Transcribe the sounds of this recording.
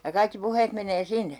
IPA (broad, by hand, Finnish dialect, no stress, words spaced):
jɑ kɑikːi puheːt meneː sinːe